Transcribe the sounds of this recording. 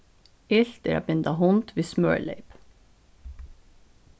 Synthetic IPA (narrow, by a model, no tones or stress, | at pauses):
ɪɬt̪ḛɾɑ̰ːbɪnd̪ɑhʊnt̪ʋiːsmœ̰ːɹlḛɪp